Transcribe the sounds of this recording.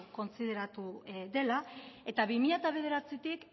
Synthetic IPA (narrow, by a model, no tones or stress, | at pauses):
ko̞nsiðe̞ɾat̪uðe̞lae̞t̪aβimiʎat̪aβe̞ð̞e̞ɾat͡sit̪ik